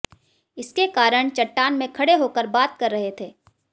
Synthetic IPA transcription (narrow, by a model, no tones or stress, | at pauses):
ɪskekaːɾəɽ̃t͡ʃɐʈːaːnmẽkʰɐɽeɦoːkəɾbaːt̪̚kɐɾːɐɦet̪ʰeː